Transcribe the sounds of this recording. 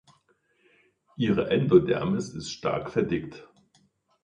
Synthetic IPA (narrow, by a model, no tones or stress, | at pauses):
ʔiːʁəʔɛndodɛ̰ɐmɪsɪstʃta̰ɐkfɛɐdɪkt